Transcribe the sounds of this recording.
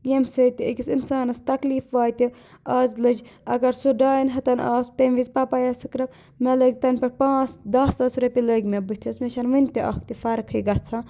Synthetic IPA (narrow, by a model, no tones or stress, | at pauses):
jemsət̪iəkʲisinsaːnɐst̪ɐkliːfʋaːt̪i | aːzlɨd͡ʒɐɡɐɾsuɖaːinɦɐt̪ɐnaːspemʋizpɐpajɐsɨkɾɐ | meləɡʲt̪ɐnʲpɐɾpãːt͡sd̪ɐsɐsɾɐpʲiləɡʲmebɨt̪ʰismeʃɐnʋɨnʲt̪ʲiʔɐ̰kʰt̪ifɐɾkʰɨjɡɐt͡sʰãː